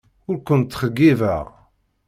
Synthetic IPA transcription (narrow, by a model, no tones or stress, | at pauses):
ʊɾkʷənt̪ːχəɡːivæ̰ʁ